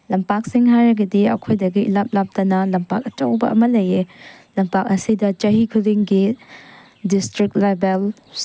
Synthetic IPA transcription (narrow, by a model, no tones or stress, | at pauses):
lɐmpak̚siŋɦajɾɐɡɐdiɐ̰kʰojdɐɡiʔilap̚lap̚tɐnɐlɐmpak̚ɐtowbɐ̰ʔɐ̰mɐlɐje | lɐmpak̚ɐsidɐt͡ʃɐɦikʰuliŋɡi | distɾik̚t̚label